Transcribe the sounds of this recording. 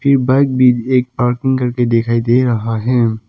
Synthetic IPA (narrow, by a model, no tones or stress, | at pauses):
pʰɪɾbaɪk̚bʱieːk̚paːɾkɪ̃ŋɡkɐɾked̪ekʰaːid̪eːɾɐɦaɦɛ̃ː